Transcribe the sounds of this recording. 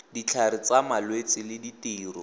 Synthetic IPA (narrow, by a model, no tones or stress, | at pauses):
dit͡ɬʰaɾɪt͡samalwet͡sɪlɪditiːrɔ